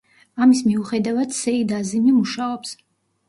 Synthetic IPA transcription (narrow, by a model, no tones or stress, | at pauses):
amismiuχɛd̪avad̪sɛid̪azimimuʃaɔps